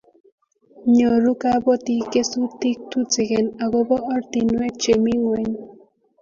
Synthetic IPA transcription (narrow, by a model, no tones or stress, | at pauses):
ɲɔɾukabɔt̪ikesut̪ik̚t̪ʰut͡seɡenaɡɔbɔɔɾt̪inuwet͡ʃemiŋeɲ